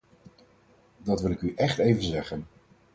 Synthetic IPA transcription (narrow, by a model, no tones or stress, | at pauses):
dɑtʋɪlˠɪkyʔɛχtejvənzɛχən